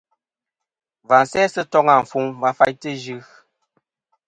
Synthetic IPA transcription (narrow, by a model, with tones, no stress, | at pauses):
va˨n˨sɛ˦sə˦tɔ˦ŋa˦˨ɱ̩˨fu˦ŋba˦fa˦ɲtə˦d͡ʒʉ˦ɣ